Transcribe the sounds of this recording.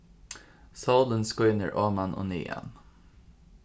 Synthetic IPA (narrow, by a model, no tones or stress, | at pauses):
sɑːlənskɔʏnəɹʔɑːmanʔo̰ːnḭːʔɛ̰n